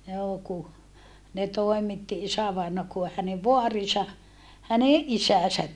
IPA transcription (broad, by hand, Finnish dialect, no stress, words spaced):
joː ku ne toemitːi isæʋɑinɑ ku hæneʋ ʋoɑrisɑ hæneʔ ʔisæsæt